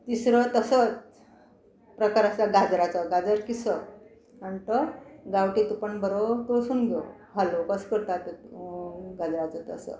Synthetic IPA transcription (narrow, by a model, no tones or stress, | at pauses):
t̪isɾət̪əsət͡s | pɾəkaɾat͡saɡad͡zɾat͡səɡad͡zəɾkisə | aɳʈ̪əɡawʈit̪upəɳbəɾot̪osuːnɡʱo | ɦalokəskəɾt̪at̪ | ɡad͡zɾat͡sət̪ə̰sə̰